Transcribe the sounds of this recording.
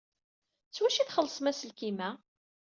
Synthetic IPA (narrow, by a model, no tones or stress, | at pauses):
t͡sːwæʃiθχəlːsˤmæsəlkimæ